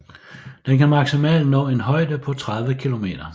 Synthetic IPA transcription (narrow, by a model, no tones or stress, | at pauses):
d̥enkæmɑ̈ɡ̥simɛ̰ːld̥nɔ̰ːe̝nɦɒ̽ɪ̰d̥əpʰɒ̽t͡sʰʁað̞ˠʋəkʰilo̝me̝̰ːd̥ɐ